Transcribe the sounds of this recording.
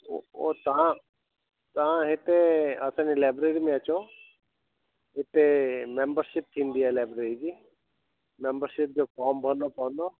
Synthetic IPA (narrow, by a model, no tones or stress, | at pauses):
o̰oːt̪ã | t̪ɐãɦɪt̪eəsãːnileːbɾeːɽiːmẽət͡ʃo | ɦɪt̪emẽmbəɾʃɪp̚t̪ʰĩːnd̪iɦalɛːbɾeːɽid͡ʑiː | mẽmbəɾʃɪp̚d͡ʑokɔːmbʱənopãʋə̃nd̪oː